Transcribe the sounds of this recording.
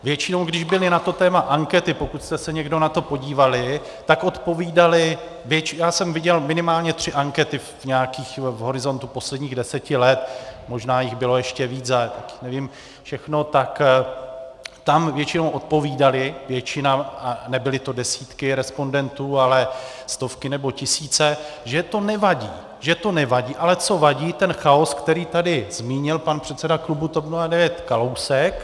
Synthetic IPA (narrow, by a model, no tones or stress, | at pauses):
vjɛt͡ʃɪno̞wɡdɪʒbɪlɪnat̪o̞t̪ɛːmaʔaŋkɛt̪ɪpo̞kut̪st̪ɛsɛɲɛɡdo̞nat̪o̞po̞ɟiːvalɪ | t̪akʔo̞t̪po̞viːdalɪ | vjɛt͡ʃɪjaːsɛmvɪɟɛlmɪnɪmaːlɲɛt̪r̝̥ɪʔaŋkɛt̪ɪfɲɛakiːxvɦo̞ɾɪzo̞nt̪upo̞slɛdɲiːɣdɛsɛcɪlɛt̪̚mo̞ʒnaːjɪɣbɪlo̞jɛʃcɛviːt͡sat̪akɪ̥xnɛvɪm | fʃɛxno̞t̪ak | t̪amvjɛt͡ʃɪnowʔo̞t̪̚po̞viːdalɪvjɛt͡ʃɪnaanɛbɪlɪt̪o̞dɛsiːt̪kɪɾɛspo̞ndɛnt̪uːalɛst̪o̞fkɪnɛbo̞cɪsiːt͡sɛʒɛt̪o̞nɛvaɟiː | ʒɛt̪o̞nɛvaɟiːʔalɛt͡so̞vaɟiːt̪ɛnxao̞skt̪ɛɾiːt̪adɪzmiːɲɪlpanpr̥ɛt̪sɛdaklubut̪opnuadɛvjɛt̪kalowsɛk